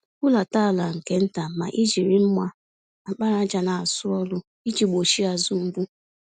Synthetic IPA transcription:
ku˦la˨ta˦˨la˨ŋ̩˨ke˦n̩˦ta˨ma̰˨ʔi˦d͡ʒi˨ɾi˦m̩˦mʷa˦ | a˨k͡pa˦ɾa˦d͡ʒa˨na˨a˨sʊ˦ɔ˦lʊ˦ | i˦d͡ʒi˨ɡ͡bo˨ʃi˦a˨zʊ˦m̩˦bu˦

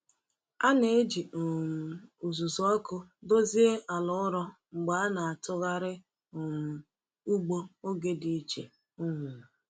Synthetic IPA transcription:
a˦ne˦e˦d͡ʒi˨o˨u˨zu˨zɔ˦kʊ˦do˦zi˦e˦ʔa˨lʊ˦ʊ˦ɾɔ˦ŋ͡m̩˨ɡ͡ba˨a˦na˨a˨tʊ˦ɣa˦ɾɪ˦ | o˨m̩˨ | u˦ɡ͡bo˦o˦ɡe˦di˨˦t͡ʃḛ˨ | ʊ˦ŋʊ˨

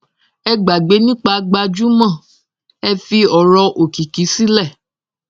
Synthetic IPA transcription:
ɛ˧ɡ͡ba˨ɡ͡be˨˦nĩ˦k͡pa˧˦ɡ͡ba˧d͡ʒu˦mã˦˨ | ɛ˦˧fi˧ɔ˨ɾɔ˧ʔo˨ki˨ki˨˦si˦lɛ˦˨

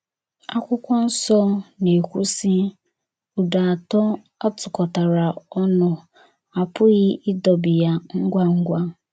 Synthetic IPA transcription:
a˦kʷʊ˦kʷɔ˦n̩˦sɔ˦ne˨e˨kʷu˦si˦ | ʊ˨da˨tɔ˦ | a˦tʊ˨kɔ˨ta˨ɾa˨ɔ˦nʊ˨ | a˨pʰʊ˦ɣɪ˦ɪ˦dɔ˨bi˨ja˨ŋ̩˦ɡʷa˦ŋ̩˦ɡʷa˦

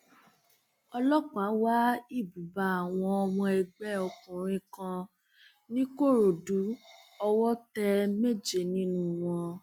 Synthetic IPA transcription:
ɔ˧lɔ˦k͡pa˨˦wa˦i˦˨bu˨ba˨˦a˨w̃ɔ̃˧ɔ˧wɔ̃˧ɛ˧ɡ͡bɛ˦ɔ˧kũ˨ɾ̃ĩ˧kã˧ | nĩ˦ko˦˨ɾo˨du˨˦ɔ˧wɔ˦tɛ˧me˦d͡ʒe˧˨nĩ˦nũ˦w̃ɔ̃˧

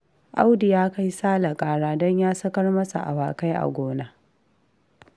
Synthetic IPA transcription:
ʔa˦wdɪ˨jaː˦ka˦jsaː˦la˨kʼaː˨ɽaː˦dɔ˦ɲjaː˦sɐ˦kɐ˦rmɐ˦sa̰˨ʔa̰˨waː˨ka˦jʔa̰˨ɡʷoː˦naː˦

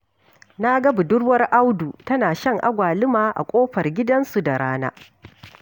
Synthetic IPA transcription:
na˦ɡɐ˦bu˨dʊ˦ɽwɐ˦rʔa˦wdu˨tɐ˦naː˨ʃɐ˦ŋʔa˦ɡʷaː˨lɪ˦maː˨ʔa̰˨kʷʼoː˦ɸɐ˨rɡʲɪ˦dɐ˦nsu˨da˨ɽaː˦na̰ː˦

